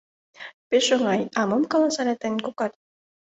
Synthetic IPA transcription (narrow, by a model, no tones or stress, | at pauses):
peʃoŋɑjɑmɤmkɑlɑsɑɾʲɑt̪enʲkokɑt̪